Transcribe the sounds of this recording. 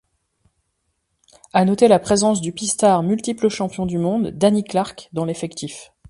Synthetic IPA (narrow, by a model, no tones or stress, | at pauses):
anɔt̪elapχezɑ̃s̬d̪ypist̪aʁmylt̪ipləʃɑ̃pjɔ̃d̪ymɔ̃d̪ːaniklaʁkd̪ɑ̃lefɛkt̪if